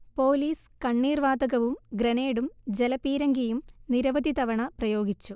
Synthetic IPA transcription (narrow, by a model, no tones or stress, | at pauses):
po̞ːliːs | kɐɳːiːrʋaːd̪ɐɣɐʋumɡɾɐneːɽumd͡ʑelɐpiːɾɐŋɡijumniɾɐʋɐd̪it̪ɐʋɐɳɐprɐjo̞ːɡit͡ɕːu